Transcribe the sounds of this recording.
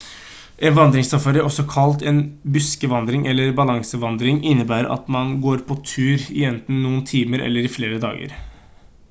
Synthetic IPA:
ʔɛnʋɑnd̪ɾɪŋst̪ɑfɑɾəɔsːɔkʰɑlt̪ɛːnbʉskəʋɑnd̪ɾɪŋʔɛlːəɾbɑlɑŋsəʋɑnd̪ɾɪŋʔɪnːəbæːɾ̰ɑ̰t̪mɑnɡoːɾpʰɔt̪ʰʉːɾɪɛnt̪n̩nuːənt̪ʰiːməɾɛ̰lːəɾɪfleːɾəd̪ɑ̰ːɡə̰ɾ

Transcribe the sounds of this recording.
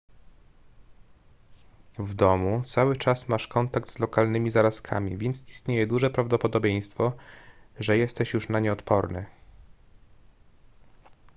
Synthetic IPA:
vd̪ɔmut̪sawɘt͡ʂasmaʂkɔnt̪ak̚t̪z̥lɔkalnɘmʲizaɾaskʰa̰mʲḭvʲjɛnt̪sist̪ɲejɛd̪uʐɛpɾavd̪ɔpɔd̪ɔbʲjej̃st̪fɔ | ʐɛjɛst̪ɛɕjuʂnaɲɛɔt̪pɔɾnɘ̰

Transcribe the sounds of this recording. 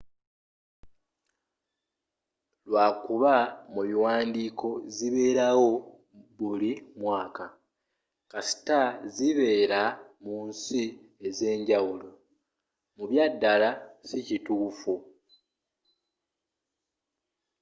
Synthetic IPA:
lwaːkuβamuβiwaːndiːko̞ziβe̞ːɾawo̞ | βulimwaːka | kasi̥taziβe̞ːɾamunsi | eze̞ːɲɟawulo̞ | muβjadːalasicituːfu

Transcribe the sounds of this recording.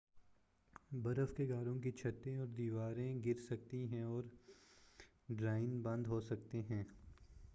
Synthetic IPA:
bɐɾəfkeɡaːɾõk̬it͡ʃʰɐt̪ːẽɔːɾd̪iːʋaːɾẽɡɪɾsɐkt̪iɦɛ̃ɔːɾ | ɖɾaːɪnbɐ̃nd̪ʱɦoːsɐkt̪eɦɛ̃ː

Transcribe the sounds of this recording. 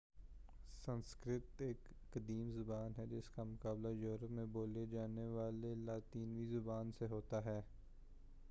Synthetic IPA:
sə̃nskɾɪt̪eːkːəd̪iːmzʊbaːnɦɛd͡ʒɪskamʊkaːblajuːɾəpmẽboːled͡ʒaːneʋaːlelaːt̪iːnʋizʊbaːnseɦoːt̪aɦɛː

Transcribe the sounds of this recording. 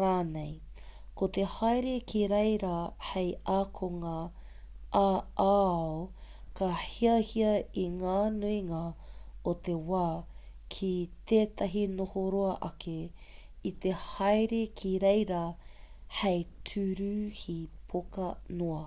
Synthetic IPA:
ɾaːnej | kot̪ehajɾekʰiɾejɾɐhejaːkʰoŋɐ | aːa | kɐheɐhiɐiŋaːnuiŋɐot̪ewaː | kʰit̪eːt̪ʰɐɦinohoɾoɐʔɐkʰe | it̪ehɐjɾekʰiɾejɾɐ | hejtʰʉɾʉhipʰokɐnoɐ

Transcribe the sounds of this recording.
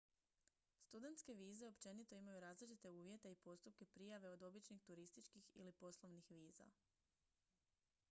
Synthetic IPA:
st̪ud̪e̞nt̪ske̞ʋiːze̞o̞pt͡ʃe̞nit̪o̞imajuɾaːzlit͡ʃit̪e̞uːʋje̞t̪e̞ipo̞st̪up̚ke̞pɾijaʋe̞o̞d̪o̞bit͡ʃnixt̪uɾist̪it͡ʃkixḭlipo̞slˠo̞ʋnixʋiːza̰

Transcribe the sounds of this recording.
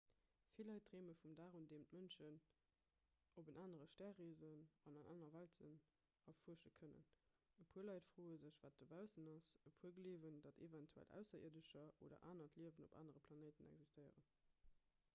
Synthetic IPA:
filɑɪt̚dʁeːməfumdaːʁundeːmtmənʃən | obənʔaːnəʁəʃtæɐʁiːzənɑnɑnʔa̰ːnɐvæltən | ɑfuəʃəkʰənə̰n | əpʰuəlɑɪtfʁoːəzəɕv̥aːt̚dəbæʊsənɑsəpʰuəɡəliːvəndɑtʰḛvɛntʰuæ̰lʔæ̰ʊsɐḭɐdəʃɐʔo̰ːdɐ̰ʔaːnɐtʰliəvəno̰ba̰ːnəʁəpʰlɑneːtənɛ̰ɡzistəɪə̰ʁən

